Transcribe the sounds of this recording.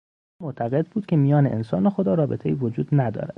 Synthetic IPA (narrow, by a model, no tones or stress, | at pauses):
moʔt̪ʰæɣe̞d̪̚buːd̪̥̚kʲʰe̞mijɒːneʔḛnsɒːnexod̪ɒːɾɒːbe̞t̪ʰe̞iːvod͡ʒuːd̪næd̪ɒ̰ːɾæd̪̥